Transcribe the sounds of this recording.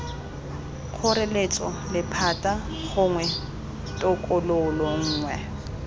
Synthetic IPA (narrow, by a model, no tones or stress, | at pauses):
k͡xʰʊrelet͡sʼɔ | lɪpʰatʼa | χʊŋwɛ | tʼɔkʼʊloʊlɔŋ̩ːŋwɛ